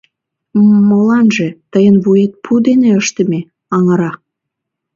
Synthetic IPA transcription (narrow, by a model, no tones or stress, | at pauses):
molɑnʒet̪əjənβujet̪̚pʰud̪eneəʃt̪ə̆me | ɑŋəɾɑ